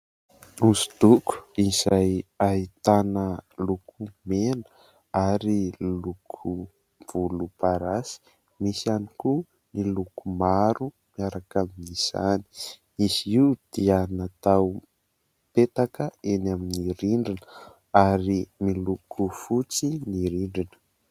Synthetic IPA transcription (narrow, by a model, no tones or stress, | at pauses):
uzid̪uku̥izajait̪anəlukʰumenə | aɾilukʰu | v̥ulupaɾasi̥ | misianiku | nilukumaɾu | miaɾakaminiz̥a̰ni̥ | iziud̪̥ianat̪aw | pet̪akəenaminiɾiɳɖ͡ʐinə | aɾimilukʰufut͡siniɾiɳɖ͡ʐinə̥